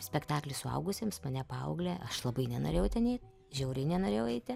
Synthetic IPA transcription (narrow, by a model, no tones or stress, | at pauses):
sʲpʲɛkt̪ɑːklʲɪsʊɐ̰ʊɡʊsʲɪmsmɐnʲɛpɑːɐʊɡlʲɛʔɐʃlˠɐbɐɪnʲɛnoːrʲeːjɛʊt̪ʲɛnʲɛːt̪ʲ | ʒʲɛʊɾʲɛɪnʲɛnoːɾʲeːjɛʊɛɪt̪ʲɪ